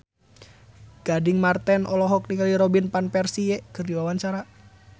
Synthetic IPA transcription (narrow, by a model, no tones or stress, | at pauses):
ɡ̥adɪŋmart̪ɛnʔɔlɔɦɔk̚niŋaliɾɔbinpanpɛrsijɛkɨrdiwawant͡ʃaɾa